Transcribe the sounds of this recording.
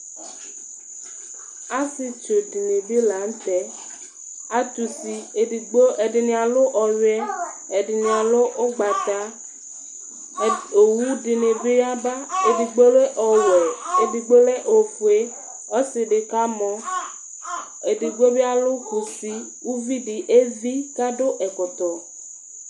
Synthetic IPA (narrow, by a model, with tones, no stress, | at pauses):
a˦si˨t͡ʃo˨ɖi˨ne˨bi˦la˨˦n̩˦t̪ɛ˦ | a˦t̪u˨si˨e˨ɖi˨ɡ͡bo˦e˨ɖi˨nĩ˨a˨lo˦ʔɔ˨ɥɛ˦ | e˨ɖi˨nĩ˨a˨lo˦ʔo˦ɡ͡ba˨t̪a˦ | o˨wu˦ɖi˨ne˨bi˦ja˦ba˦e˨di˨ɡ͡bo˦le˦ʔɔ˨wɛ˨e˨di˨ɡ͡bo˦le˦ʔo˨fu˨e˦ | ɔ˦si˨ɖe˨ka˦mɔ̃˦ | e˨di˨ɡ͡bo˦bi˦a˦lo˦xu˨fi˦ | wu˦vi˦ɖi˨ʔe˦vi˦ka˦ɖo˦ʔɛ˨kɔ˨t̪ɔ˨